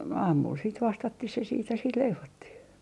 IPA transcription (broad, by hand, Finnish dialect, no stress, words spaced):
ɑːmul siːt ʋɑstɑtːih se siːt jɑ sit leiʋotːih